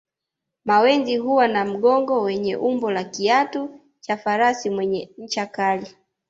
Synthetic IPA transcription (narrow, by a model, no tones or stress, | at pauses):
mawɛnziɦuwanam̩ɠɔŋɡɔwɛɲɛʔumbɔlakiatu | t͡ʃafaɾasimwɛɲɛɲ̩t͡ʃakali